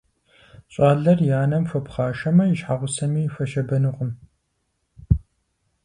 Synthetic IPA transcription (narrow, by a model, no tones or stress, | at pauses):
ɕʼaːɮɐrjaːnɐmfɐpχaːʃɐmɐjɪʃħaʁʷʊsɐmiːfɐʃɐbɐnɨqʷʼəm